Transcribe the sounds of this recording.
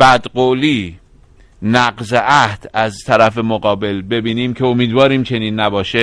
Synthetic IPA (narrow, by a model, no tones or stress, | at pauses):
bæd̪ɢoːliː | næɢzeʔæhd̪̥æzt̪ʰæɾæfe̞moɣɒːbe̞lbe̞biːniːmkʰe̞omiːd̪vɒːɾiːmt͡ʃʰe̞niːnːæbɒːʃe